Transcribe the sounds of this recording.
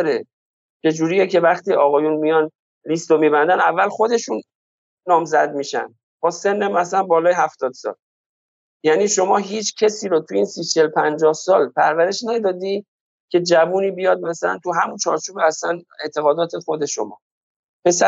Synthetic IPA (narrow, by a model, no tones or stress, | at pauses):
ɾe | t͡ʃʰe̞d͡ʒuːɾijecʰe̞væχt̪iːɒːɣɒːjunmijɒn | list̪omiːbænd̪ænævːælxo̞d̪e̞ʃunː | ɒːmzæd̪̚miːʃæ̰nd̪ | bɒːse̞nːemæsælænbɒːlɒːjeɦæft̪ɒːd̪̥sɒ̰l | jæːniːʃo̞mɒːɦiːt͡ʃʰcʰesiːɾot̪ʰuiːnsiːt͡ʃʰelpʰænd͡ʒɒːhsɒːlpʰæɾvæɾe̞ʃnæd̪ɒːd̪i | cʰe̞d͡ʒævuːniːbijɒd̪̚mæsælæ̰nt̪ʰuɦæmunt͡ʃʰɒːɾt͡ʃʰuːbeæslænet̪ʰe̞ɣɒːd̪ɒːt̪ʰexo̞d̪e̞ʃo̞̰mɒ̰ː | pʰe̞sæ